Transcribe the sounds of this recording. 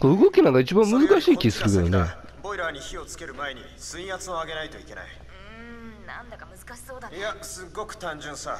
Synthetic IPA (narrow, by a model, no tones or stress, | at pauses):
koɯ̟ɡo̞kʲinaɡait͡ɕibãmmɯ̟zɨkaɕiːkʲiisɨɾɯke̞d̪one | bo̞iɾaɲ̟içio̞t͡sɨ̥ke̞ɾɯ̟mae̞ɲ̟i | sɨ̃ĩjat͡sɨoaɡe̞nait̪o̞ike̞na̰i | nãnd̪akɯaɕsoːd̪asɨɡo̞kɯ̟̥t̪ãɲd͡ʑɨ̃sa